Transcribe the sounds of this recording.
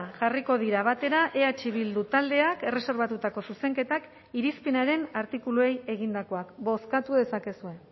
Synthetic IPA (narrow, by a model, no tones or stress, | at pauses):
ʝariko̞ð̞iɾaβ̞at̪e̞ɾaʔeat͡ʃiβild̪ut̪ald̪e̞ake̞rese̞ɾβat̪ut̪ako̞suse̞ŋke̞t̪ak | iɾispinaɾe̞naɾt̪ikulue̞je̞ɣ̞ind̪ako̞akbo̞skat̪uðe̞sake̞sue̞